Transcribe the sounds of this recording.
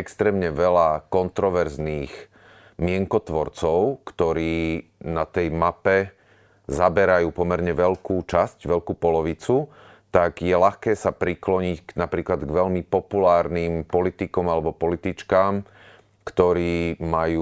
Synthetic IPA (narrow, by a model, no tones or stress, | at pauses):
ɛkst̪ɾɛːmɲɛʋɛlakɔnt̪ɾɔʋɛɾzniːx | mɪɛŋkɔt̪ʋɔɾt͡sɔʊkt̪ɔɾiːnat̪ɛjmapɛ | zabɛɾajuːpɔmɛɾɲɛʋɛʎkuːt͡ʃascʋɛʎkuːpɔlɔʋit͡su | t̪aɡjɛlaxkɛːsapɾiklɔɲicnapɾiːklad̪ɡʋɛʎmipɔpulaːɾnimpɔlit̪ikɔmalɛbɔpɔlit̪it͡ʃkaːm | kt̪ɔɾiːmajuː